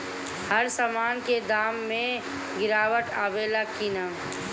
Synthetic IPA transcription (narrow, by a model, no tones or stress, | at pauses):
hɐɾsamaːnked̪aːmːẽ | ɡɪɾaːwəʈaːbeːlakinaː